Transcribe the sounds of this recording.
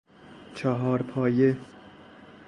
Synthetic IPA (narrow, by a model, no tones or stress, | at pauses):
t͡ʃʰɒɦɒːɾpʰɒːje